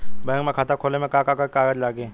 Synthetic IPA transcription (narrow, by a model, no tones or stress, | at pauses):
bɛ̃ːŋkmẽkʰaːt̪akʰoːlemẽkaːkakakaːɡəd͡ʒlaːɡeː